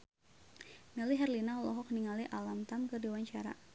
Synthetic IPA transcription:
nɛliɦɛrlinalɔɦɔk̚niŋaliʔalamt̪amkərdiwaɲt͡ʃaɾa̰

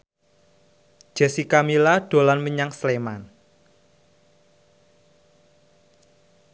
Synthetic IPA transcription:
d͡ʒ̥ɛ̤sikamilaɖ̥o̤lanməɲaŋsleman

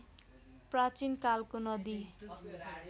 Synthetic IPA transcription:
prat͡sinkalkonʌd̪i

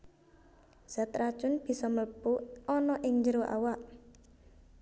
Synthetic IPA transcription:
z̥at̪ɾḁt͡ʃʊnb̥i̤sɔmələpuʔɔnɔʔɪŋɲd͡ʒəɾoʔa̰waʔ

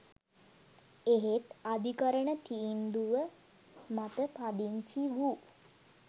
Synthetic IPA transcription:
eɦet̪ad̪ʱikəɾəɳət̪ʰiːnd̪uʋə | mat̪əpad̪iɲt͡ʃiʋu

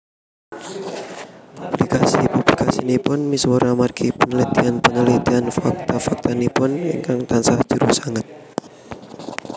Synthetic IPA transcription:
pub̥likasipublikasinipʊnmiswɔɾamarɡʰipənəlit̪ianpənəlit̪ianfak̚t̪afak̚t̪anipʊnḭŋkaŋt̪ansahd͡ʒuɾusaŋat̪̚

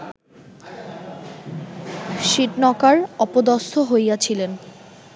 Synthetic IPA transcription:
ʃiʈnɔkaɾɔpod̪ɔsʰoɦojat͡ɕʰilen

